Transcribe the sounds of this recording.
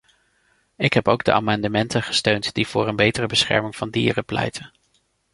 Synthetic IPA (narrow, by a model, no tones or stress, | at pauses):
ɪkɦɛpowɡ̚də̰ʔa̰ːmɑndəmɛntənχə̥støɥntd̥iv̥ʊːɾənbejtərəbəsχɛ̰ɹmɪŋv̥ɑndḭːrəplɛ̰jtʰən